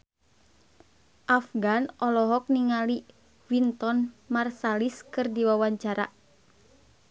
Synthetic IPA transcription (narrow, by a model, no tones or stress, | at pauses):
ʔafɡanɔlɔɦɔk̚niŋali | wint̪ɔnmarsaliskɨrdiwawaɲt͡ʃaɾa̰